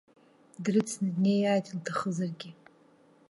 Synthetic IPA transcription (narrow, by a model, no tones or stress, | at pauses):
drɨt͡sʰnɨdnejadiltʰaχəzarɡʲɪ